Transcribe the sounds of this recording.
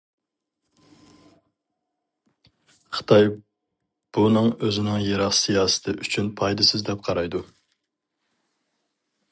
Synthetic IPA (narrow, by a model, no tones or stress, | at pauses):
qʰə̥t̪ʰɑj | b̥unɨŋøzɪnɪŋjeɾɑqsijɑːsɨ̥t̪ʰɪʔyt͡ʃʰynpʰɑjd̪ɨsɪzd̪ɛp̚qʰɑɾɑjd̪u